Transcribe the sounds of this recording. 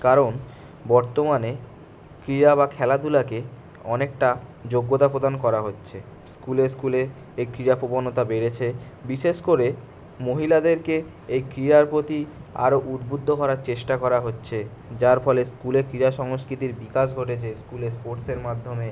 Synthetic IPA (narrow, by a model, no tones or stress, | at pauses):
kaɾon | bɔɾt̪omane | kɾiɾaβakʰɛlad̪ulake | ɔnek̚ʈad͡ʑoɡːot̪apɾod̪ankɔɾaɦotːɕʰe | skuleskule | ejkɾiɾapobonot̪abeɾet͡ɕʰe | biʃeʃkoɾe | moɦilad̪eɾke | ejkɾiɾaɾpɾot̪ia̰ɾoʔud̪bud̪ʱːoɦɔɾaɾt͡ɕeʃʈakɔɾaɦotːɕʰe | d͡ʑaɾfɔleskulekɾiɾaʃɔŋoskɾit̪iɾbikaʃ̬ɡʱoʈ̬et͡ɕʰeskulespoɾʈseɾmad̪ʱːome